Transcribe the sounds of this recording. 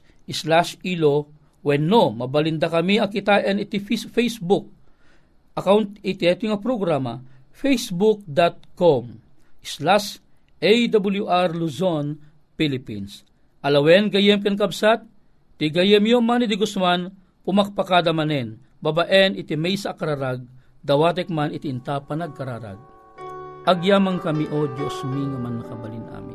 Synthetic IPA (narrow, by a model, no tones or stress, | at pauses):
ʔislaʃilo | wɛnːomɐbɐlind̪akɐmiɐkit̪aʔɛnit̪ififɛjsbuk̚ | ʔɐkawnt̪ɪt̪ɪɛt̪iŋapɾoɡɾama̰ | fɛjsbuk̚d̪at̪̚kom | ʔislaʃ | ɛjd̪abuljuʔaɾluzon | pilipḭns | ʔɐlɐwɛnɡɐjɛmkɛnk̬ɐbsat̪̚ː | iɡɐjɛmjomanid̪iɡʊsman | pʊmak̚pakad̪ɐmɐnɛn | babaʔɛnɪt̪imɛjsakɐɾaɾaɡ̚ | d̪ɐwaːt̪̬ɛk̚manit̪iːnt̪apɐnɐɡ̚kɐɾaːɾa̰ɡ̚ | ʔɐɡjaːmɐŋkɐmiʔod͡ʒosmiŋɐmanːɐkɐbɐlinʔa̰mḭ